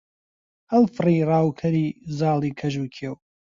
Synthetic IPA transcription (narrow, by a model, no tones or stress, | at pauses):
ɐlfɨrirˤaːwkʰɐɾiːzɑːlˠiːkʰɐʒuːkʰew